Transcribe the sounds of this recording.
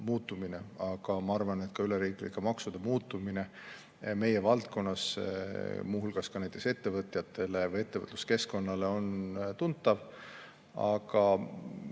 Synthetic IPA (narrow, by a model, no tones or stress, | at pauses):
muːt̪ːˑumine̞ɑɡ̥ɑmɑɑrvɑne̞t̪kɑyleɾiːklḭkːˑemɑksud̪̥emuːt̪ːˑumine̞ | me̞je̞vɑlt̪̚ko̞nːɑs | muːɦulɡ̥ɑskɑnæjt̪ːˑe̞kse̞t̪ːe̞vɤt̪jɑt̪ːˑe̞le̞vɤje̞t̪ːe̞və̰t̪lu̥ske̞sko̞nːɑle̞o̞nt̪unt̪ːɑv | ɑ̰ɡɑ